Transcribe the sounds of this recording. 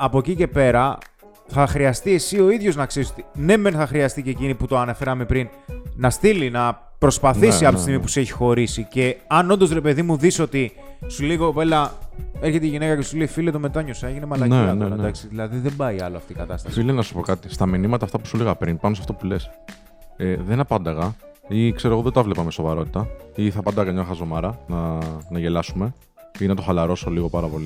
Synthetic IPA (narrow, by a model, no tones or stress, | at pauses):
ɐpo̞cice̞pe̞ɾɐ | θɐxɾiɐst̪ie̞sio̞iðʝo̞znɐkse̞ɾisot̪ine̞menθɐxɾiɐst̪ice̞ciniput̪oɐne̞fe̞ɾɐmepɾin | nɐst̪ilinɐ | pɾo̞spɐθθisiɐfot̪ist̪imipu̥se̞çi̥xo̞ɾisice̞ɐno̞nd̪o̞zɾe̞pe̞ðimuðiso̞t̪i | suliiɣope̞lɐeɾçet̪eiʝine̞kɐcesuleifiliet̪ome̞t̪ɐɲo̞sɐeʝinemɐlɐnened̪ɐksiðilɐðiðe̞mbɐiɐloɐft̪ikɐt̪ɐst̪ɐssfilenɐsu̥po̞kɐt̪ist̪ɐminimɐt̪ɐːft̪ɐpu̥suleɣɐpɾinpɐnos̬ɐ̥ft̪o̞pule̞s | eðenɐpɐnd̪ɐɣɐ | ikse̞ɾoɣoðed̪oɐvlepɐmeso̞vɐɾo̞t̪i̥t̪ɐiθɐpɐnd̪ɐɣɐkɐɲɐxɐzo̞mɐɾɐnɐnɐʝe̞lɐsume̞ | inɐt̪o̞xɐlɐɾo̞soliɣo̞pɐɾɐpo̞li